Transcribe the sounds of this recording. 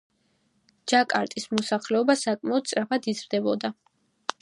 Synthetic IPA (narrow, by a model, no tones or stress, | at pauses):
d͡ʒakʼaɾt̪ʼismɔsaχlɛɔbasakʼmaɔd̪̚t̪sʼɾapʰad̪izɾd̪ɛbɔd̪a